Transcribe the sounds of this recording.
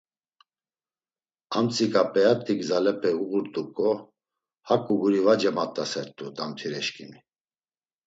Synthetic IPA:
amt͡sʼikʼapʼɛjat̪ʼiɡzalɛpʰɛuɣuɾt̪ʼukʼɔ | hakʼuɡuɾivad͡ʒɛmat̪ʼːasɛɾt̪ʼud̪amt̪ʰiɾɛʃkʼimi

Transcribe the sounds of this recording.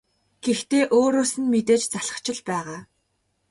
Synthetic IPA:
ɡ̥ext̪eːʔoːɾoːsɘ̆nmet̪eːt͡ɕt͡saɮə̥̆χt͡ɕʰɪ̆ɮpæːʁaː

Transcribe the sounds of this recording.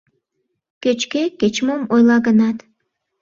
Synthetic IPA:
køt͡ʃkeket͡ɕmomojlɑɣənɑt̪

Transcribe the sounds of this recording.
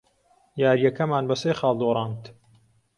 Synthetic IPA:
jaːɾjɐkɐmaːnbɐsejxɑːlˠd̪oːɾˤɑːnt̪

